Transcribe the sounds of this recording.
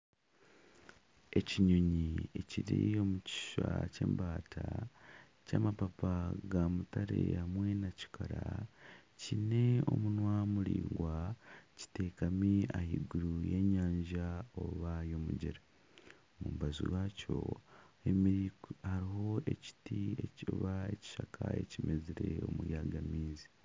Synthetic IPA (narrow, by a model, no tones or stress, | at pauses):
e̞ciɲo̞ɲie̞ciɾio̞muci̥ʃace̞̰ːmbaːtʰa | caːmapapaɡamutaɾe̞hamwe̞naci̥kʰaɾa | cine̞o̞munwamuɾḭːŋɡwaci̥te̞ːkamiahiɡuɾujeɲaːɲʒao̞βajo̞muɟeɾa | mubazuwaːcʰo̞emiɾihaɾiɦo̞e̞ci̥tieciβae̞ci̥ʃakʰae̞cimeziɾe̞o̞mujaːɡamiːzi